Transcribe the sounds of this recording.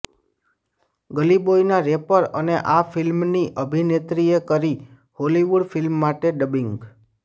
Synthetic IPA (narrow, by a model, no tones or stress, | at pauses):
ɡəlibojnaɾepəɾəneʔafilmniʔəbʱinet̪ɾiekəɾi | holiʋuɖfilmːaʈeɖəbiŋɡ